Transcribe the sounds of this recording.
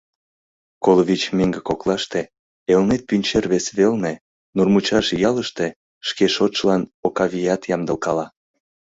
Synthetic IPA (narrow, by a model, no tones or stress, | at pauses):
koloβʲit͡ɕmeŋɡekoklɑʃt̪e | elnet̪̚pynʲt͡ɕerβesβelne | nurmut͡ɕɑʃjɑləʃt̪e | ʃkeʃot̪ʃlɑnokɑβʲijɑt̪jɑmd̪ə̆lkɑlɑ